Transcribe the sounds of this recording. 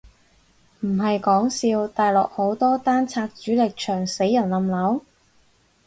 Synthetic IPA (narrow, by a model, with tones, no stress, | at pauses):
m̩˨˩ɦɐ˨jkɔː˨˥ŋsiː˧wt̪aː˨jlɔ̰ː˨k̚ho˨˥wt̪ɔː˥t̪aː˥nt͡sʰaː˧k̚t͡ʃyː˨˥lɪ˨k̚t͡ʃʰœː˨˩ŋse˨˥jːɐ˨˩nlɐ˨mlɐ˨˥w